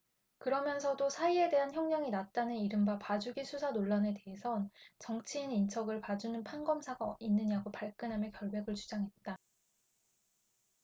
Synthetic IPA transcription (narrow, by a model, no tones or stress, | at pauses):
kɯɾʌmjʌnsʰʌdosʰaie̞de̞ɦançjʌŋɲʌŋinat̚t͈anɯniɾɯmbapad͡ʑuɡisʰusʰanoɭːane̞te̞ɦe̞sʰʌnt͡ɕʌŋt͡ɕʰiːnint͡ɕʰʌɡɯɭpad͡ʑunɯnpʰanɡʌmsʰaɡainːɯɲaɡopaɭk͈ɯnɦamjʌkjʌɭbe̞ɡɯɭt͡ɕʰu̥d͡ʑaŋɦe̞t̚t͈a